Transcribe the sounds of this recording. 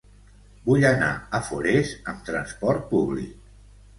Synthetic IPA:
buʎəna̰əfoɾezəmt̪ɾənspɔɾt̪̚puβlḭk̚

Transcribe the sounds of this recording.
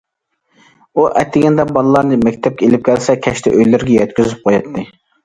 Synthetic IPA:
uʔɛ̰t̪ːɪɡʲɛnd̪ɛbɑlˠɨlˠɑɾnɨmɛkʲt̪ʰɛp̚kʲɛelɪp̚kʲʰælsɛkʲʰɛʃt̪ʰɛ̰ʔøjlɪɾɪɡʲɛjɛt̪kʲyzyp̚qʰojɑt̪ʰːɨ

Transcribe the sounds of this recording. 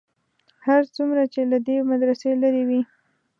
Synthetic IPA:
haɾt͡sumɾat͡ʃelad̪emad̪ɾaselaɾewi

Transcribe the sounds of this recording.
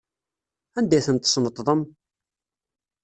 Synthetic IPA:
ænd̪æjθənt̪ːsnət̪ˤðˤəm

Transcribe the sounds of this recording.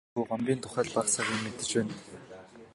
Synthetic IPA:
uːɢampʲiːnt̪ʰʊ̥χæːɮpasaʁʲiːŋmet̪ɘ̆t͡ɕpæːn

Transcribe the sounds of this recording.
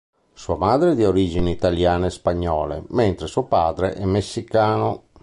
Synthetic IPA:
suamaːd̪ɾed̪ioɾiːd͡ʒineit̪aljaːnespaɲːɔːlḛment̪ɾesuopaːd̪ɾḛʔɛmːesːikaːno

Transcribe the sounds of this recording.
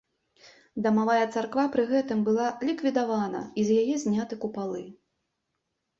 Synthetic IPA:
d̪ɐmavajɛt̪sarkvapɾɨɣɛt̪ɨmbɨlˠalʲikvʲid̪avanɐ̰izʲjajɛzʲnʲat̪ɨkupalˠɨ

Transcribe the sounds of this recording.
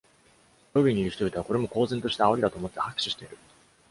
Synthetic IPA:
obʲiɲ̟iɾɯɕi̥t̪o̞bit̪eako̞ɾe̞mo̞ko̞ːzent̪o̞ɕi̥t̪aao̞ɾʲid̪at̪o̞ːmo̞t̪ːe̞hakɯ̥ɕi̥ɕi̥t̪eiɾɯ̟

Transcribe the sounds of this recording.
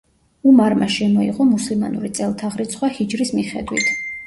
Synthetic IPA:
umaɾmaʃɛmɔiʁɔmuslima̰nṵɾit̪sʼɛlˠt̪ʰaʁɾit̪sʰχwahid͡ʒɾismiχɛ̰d̪wḭt̪ʰ

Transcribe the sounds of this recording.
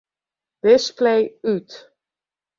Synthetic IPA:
d̥ɪsplejyt

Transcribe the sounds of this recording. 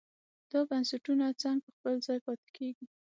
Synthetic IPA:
d̪̥ɑbansaʈunat͡saŋɡ̚pəxpəlzɑjpɑt̪ɪ̥kʰeɡi

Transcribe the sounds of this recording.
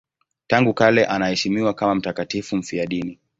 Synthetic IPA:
taŋɡukalɛʔanahɛʃimiwakamam̩takatifum̩fiaɗini

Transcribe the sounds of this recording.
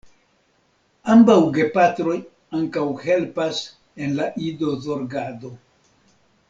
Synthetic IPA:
ambawɡe̞patɾo̞j | aŋkawhe̞lpas | e̞nlaʔido̞zo̞ɾɡado̞

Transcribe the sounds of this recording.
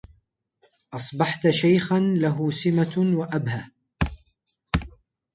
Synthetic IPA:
ʔɑsˤbɑħt̪ʃajxanlaɦʊsɪmawaʔabha

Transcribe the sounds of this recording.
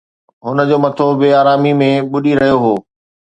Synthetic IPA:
ɦʊnəd͡ʑoːmɐt̪ʰobɪaːɾaːmimẽɓʊɗiɾɐɦijoɦoː

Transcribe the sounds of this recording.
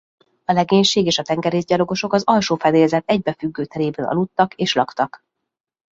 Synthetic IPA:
ɒlɛɡeːɲʃeːɡeːʃɒt̪ɛŋɡɛɾeːzɟɒlo̞ɡo̞ʃo̞kɒzɒlʃoːfɛd̪eːlzɛt̪ɛɟ̚bɛfyɡːøːt̪ɛɾeːbɛnʔɒ̰lut̪ːɒkeːʃlɒkt̪ɒk

